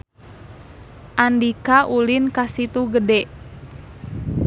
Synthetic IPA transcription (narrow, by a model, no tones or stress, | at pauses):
ʔandikaʔulinkasit̪uɡədɛʔ